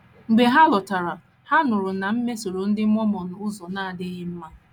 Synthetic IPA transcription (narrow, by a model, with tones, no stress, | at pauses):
ŋ͡m̩˨ɡ͡be˨ɦa˦lɔ˨ta˨ɾa˨ | ha˦nʊ˨ɾʊ˨na˨m̩˦me˦so˨ɾo˨n̩˦dɪ˦m̩˦ɔ˦mɔ˨nʊ˨ʊ˦zɔ˨na˦˨a˨dɪ˦ɣɪ˦m̩˦ma˦